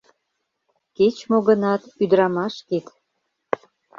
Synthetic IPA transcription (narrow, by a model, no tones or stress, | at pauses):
ket͡ɕmoɣənɑt̪yd̪ɾɑmɑʃket̪